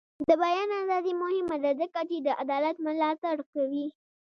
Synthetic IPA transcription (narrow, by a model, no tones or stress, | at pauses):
d̪əbajɑnazɑzimʊhɪmad̪azəkat͡ʃed̪əʔad̪ɑlat̪̚mʊlɑt̪aɽkawi